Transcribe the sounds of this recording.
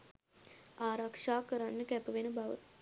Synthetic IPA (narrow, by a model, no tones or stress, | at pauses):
aːɾakʂaːkəɾanːəkæpəʋenəbaʋə̰t̪